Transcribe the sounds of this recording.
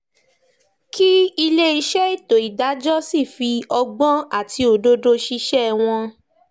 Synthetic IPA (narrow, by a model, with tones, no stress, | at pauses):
ki˦i˧le˦i˧ʃɛ˦i˦˨to˨i˨da˨˦d͡ʒɔ˦si˦˨fi˧ɔ˧ɡ͡bɔ̃˦a˦˨ti˧˦o˨do˧do˧ʃi˧ʃɛ˦w̃ɔ̃˧